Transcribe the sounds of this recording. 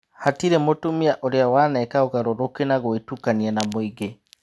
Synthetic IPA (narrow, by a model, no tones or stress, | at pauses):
hatiɾemotomiaʔoɾeawaːnɛkaoɣaɾoɾokenaɣoetukaniɛnamoiɡe